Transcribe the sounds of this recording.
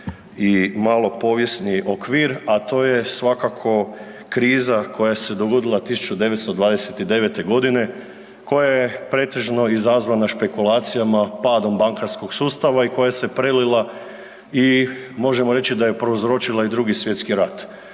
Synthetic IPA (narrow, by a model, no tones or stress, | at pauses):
imalo̞po̞ːʋje̞sniʔo̞kʋiːɾat̪o̞ːje̞sʋakakʰo̞ | kɾiːzakʰo̞jase̞d̪o̞ɡo̞d̪ilˠat̪isu̥t͡ʃud̪e̞ʋet̪st̪od̪ʋaːd̪eset̪id̪e̞ʋe̞t̪e̞ɡo̞d̪ine̞ | ko̞jajepɾe̞ːt̪e̞ʒno̞izazʋanaʃpe̞kulˠaːt̪sijamapaːd̪o̞mbaŋkaɾskoɡsuːst̪aʋaiko̞jase̞pɾelilˠa | i | mo̞ʒe̞moɾe̞t͡ɕid̪ajepɾouzɾo̞t͡ʃilˠaid̪ɾuɡisʋje̞t̪skiɾat̪